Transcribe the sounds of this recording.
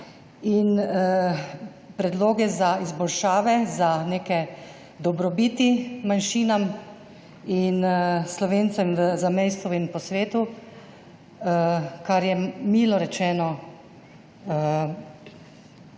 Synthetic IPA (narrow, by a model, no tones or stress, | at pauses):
in | pɾɛd̪loːɡɛzaizbɔlʃaːʋɛzaneːkɛ | d̪ɔbɾɔbiːt̪imanʃiːnam | inslɔʋeːnt̪sɛməzamejst̪ɔinpɔsʋeːt̪u | kaɾjɛmiːlɔɾɛt͡ʃɛːnɔ